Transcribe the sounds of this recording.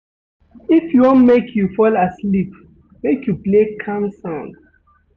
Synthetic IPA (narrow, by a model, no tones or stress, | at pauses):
ifjuwɔ̃nmekʰjufɔlaslip | mekʰjuplekʰãmsãʊ̃nd